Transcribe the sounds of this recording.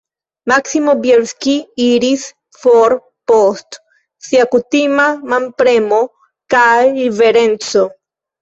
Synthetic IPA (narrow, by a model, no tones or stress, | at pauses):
maksimobjeɾskiiɾis | foɾ | post̪ | siakut̪imamãmpɾemo | kajiβeɾenso